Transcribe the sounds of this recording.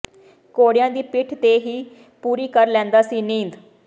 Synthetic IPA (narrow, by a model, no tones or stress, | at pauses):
koːɽɪjãːd̪iːpɪʈʰt̪eːɦiː | puːɾiːkəɾlɛ̃ːnd̪aːsiːnĩːnd̪